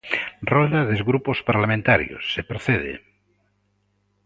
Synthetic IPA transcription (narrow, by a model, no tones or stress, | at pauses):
rold̪aðezɣɾupospaɾlamẽnt̪aɾjo̰sːepɾoθeðḛ